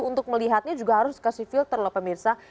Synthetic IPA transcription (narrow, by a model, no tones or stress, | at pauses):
unt̪ʊk̚məliɦat̪̚ɲad͡ʒuɡaɦaɾʊskasifɪlt̪ərləpəmirsa